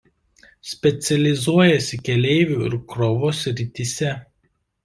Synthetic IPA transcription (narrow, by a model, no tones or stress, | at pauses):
sʲpʲɛt̪sʲɛlʲɪzuɔjɛsʲɪkʲɛlʲeɪʋʲuɪ̰ɾkɾɔʋoːsʲɾʲɪt̪ʲisʲɛ